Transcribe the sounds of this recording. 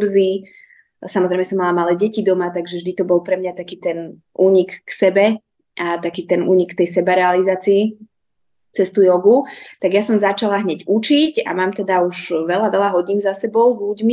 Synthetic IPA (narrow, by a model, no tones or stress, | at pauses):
ɾzi | samɔzɾɛjmɛsɔmːalamalɛːɟɛcid̪ɔmat̪aɡʒɛvʒd̪it̪ɔbɔlˠpɾɛmɲat̪akiːt̪ɛn | ʔuːɲikːsɛbɛ | at̪akiːt̪ɛnṵːɲikt̪ɛjsɛbaɾɛalizaːt͡siː | t͡sɛst̪ujɔɡut̪aɡjasɔmzat͡ʃalaɦɲɛɟut͡ʃica̰maːmt̪ɛd̪auʒʋɛlaʋɛlaɦɔɟinzasɛbɔʊzʎuɟmi